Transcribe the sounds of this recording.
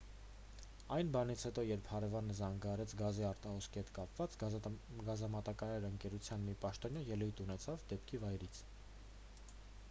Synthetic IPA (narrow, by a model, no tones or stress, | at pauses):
ɑjnbɑnit͡sʰhɛt̪ɔjɛɾpʰhɑɾɛvɑnəzɑŋɡɑɾɛt͡sʰɡɑziɑɾt̪ɑhɔskʰihɛt̪kɑpvɑt͡sɡɑzɑmɑt̪ɑkɑɾɑɾəŋkɛɾut͡sʰjɑnmipɑʃt̪ɔnjɑjɛlujt̪unɛt͡sʰɑvd̪ɛp̚kʰivɑjɾit͡sʰ